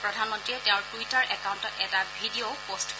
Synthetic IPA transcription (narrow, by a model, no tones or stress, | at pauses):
pɹɔdʱanmɔ̃ntɹiɛteʊ̃ɹtuitaɹʔɛkawntɔtɛtabʱidiopost